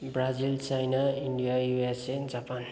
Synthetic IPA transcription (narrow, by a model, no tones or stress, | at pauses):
brad͡zilt͡sajnaiɳɖijajuesed͡zapan